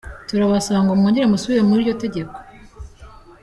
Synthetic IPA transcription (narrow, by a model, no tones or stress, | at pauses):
tuɾaβasaaŋɡomŋoːɲɟiɾamusuβiɾemuɾijote̞ɟe̞ko